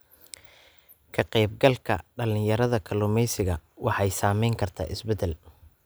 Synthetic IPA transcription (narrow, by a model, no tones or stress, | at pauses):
kʰɐqɛjb̚ɡɐlkʰɐ̰ɖɐlɪnjɐɾɐðɐkʰɐlʊmɛjsɪɣɐwʔɑħɑjsaːmɛjŋkʰɐrt̪ʰa̰ːʔɪsbɛd̪ɛl